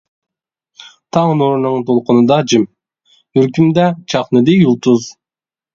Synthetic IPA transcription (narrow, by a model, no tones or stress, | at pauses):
t̪ʰɑʁnoɾunɑɴt̪ʰolˠqʊnud̪ɑd͡ʒim | yɾkymd̪æt͡ʃʰɑqnɨd̪iulˠt̪uz